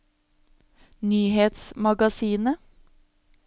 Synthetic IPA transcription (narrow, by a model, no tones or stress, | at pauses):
nyːheːt̪smɑɡɑsiːnə